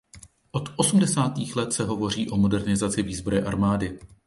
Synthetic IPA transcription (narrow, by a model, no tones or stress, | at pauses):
ʔo̞t̪ʔo̞sumdɛsaːt̪iːxlɛt̪sɛɦo̞vo̞r̝iːʔo̞mo̞dɛɾnɪzat͡sɪviːzboɾɛʔa̰ɾmaːdɪ